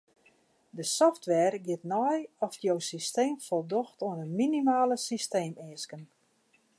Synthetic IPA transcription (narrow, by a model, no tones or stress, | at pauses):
dəsɔftʋɛːrɡɪtnɔjɔfjowsisteːmfɔlˠdɔxtoənənminimaːləsisteːmɪːəskən